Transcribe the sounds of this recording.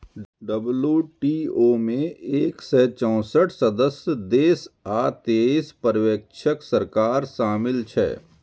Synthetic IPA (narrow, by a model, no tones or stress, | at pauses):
ɖəbljuːʈiːoːmẽeːksɛːt͡ʃɔ̃ːsəʈʰsɐd̪əsjd̪eːsaːt̪eːspəɾʋeːkʃʰəksəɾkaːɾʃaːmɪlt͡ʃʰɛ̰ː